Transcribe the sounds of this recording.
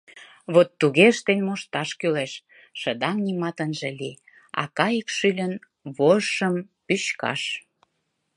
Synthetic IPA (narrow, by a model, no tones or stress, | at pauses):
βot̪ːuɣeəʃt̪enʲmoʃt̪ɑʃkyleʃ | ʃə̆d̪ɑŋnimɑt̪ənʒĕli | ɑ̰kɑjəkʃylʲən | βoʃəmpyɕkɑ̰ʃ